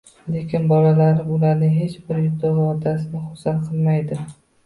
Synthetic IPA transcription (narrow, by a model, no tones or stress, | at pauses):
le̞kʲʰɪnbɒlalaɾɪʊlaɾnɪɦe̞t͡ʃbɪɾjʊd̪ɒvɒd̪asɪnɪχʊsalqʰɨlˠmajd̪ɪ